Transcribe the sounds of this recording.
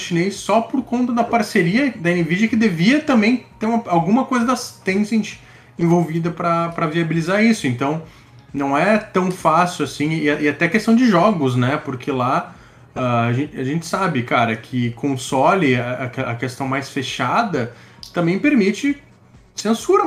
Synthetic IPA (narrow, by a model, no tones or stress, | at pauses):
ʃinejssɔpoɾkõnt̪ɐd̪ɐpaɾseɾiɐd̪ɐẽnɪvid͡ʒɐkɪd̪eviɐt̪ɐ̃mbẽj̃t̪eɾũmɐawɡũmɐkojzɐd̪ɐst̪ẽzẽt͡ʃɪ̥ | ẽvowvid̪ɐpɾɐpɾɐviabilizaɾisʊẽnt̪ɐ̃w̃ | nɐ̃w̃ɛt̪ɐ̃w̃fasʊwasĩɪaʔɪat̪ɛɐkest̪ɐ̃w̃d͡ʒɪʒɔɡʊznɛpʊɾkʰɪla | ɛaʒẽt͡ʃaʒẽnt͡ʃɪ̥sabɪkaɾɐkʰɪkʰõsɔlɪɐɐkeɐkest̪ɐ̃w̃majsfeʃad̪ɐt̪ɐ̃mbẽj̃peɾmit͡ʃɪ | sẽsuɾɐ